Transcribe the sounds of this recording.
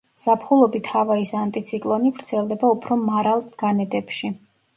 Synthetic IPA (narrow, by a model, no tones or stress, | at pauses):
z̥apʰχulˠɔbit̪ʰhavaisant̪ʼit̪sʰikʼlˠɔnivɾt̪sʰɛlˠd̪ɛbaupʰɾɔmaɾalˠt̪ɡ̥anɛd̪ʼɛpʃi